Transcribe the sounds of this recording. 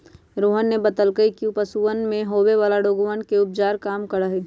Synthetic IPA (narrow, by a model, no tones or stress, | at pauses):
ɾoːɦənːebət̪əlkəikiupəsuːənmẽɦoːʋeʋaːlaɖoːɡənkeʊp̚d͡ʒaːɾkaːmkɐɽaɦeː